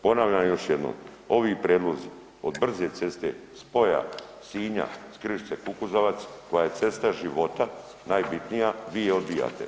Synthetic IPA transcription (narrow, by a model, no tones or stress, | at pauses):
po̞naʋʎamjo̞ʃje̞d̪no̰m | o̞ʋipɾeːd̪lˠozi | o̞d̪br̩ze̞t̪se̞st̪ḛspo̞ja̰siːɲa̰skɾiʃt̪sekukuzoʋat̪sko̞jajet̪se̞st̪aʒiʋo̞t̪a | naːjbit̪nijaʋiːjeo̞d̪bija̰ːt̪ḛ